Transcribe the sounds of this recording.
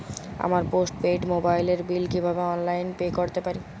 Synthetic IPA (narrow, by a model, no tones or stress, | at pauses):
a̰maɾposʈpeɖmobajleɾbilkibʱabeɔnlajnpekoɾt̪epaɾi